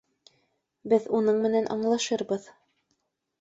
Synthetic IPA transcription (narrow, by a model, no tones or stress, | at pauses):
bɘðunɤɴmɘ̆nænʔɑ̰ɴlˠɑʃɤɾbɤð